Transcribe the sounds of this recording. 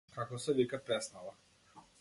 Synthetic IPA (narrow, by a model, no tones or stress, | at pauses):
kakɔsɛvikapɾɛsnala